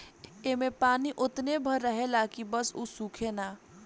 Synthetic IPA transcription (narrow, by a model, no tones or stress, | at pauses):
emepaːniʔʊt̪nebʱəɾːəɦelaːkibəsuːsũːkʰenaː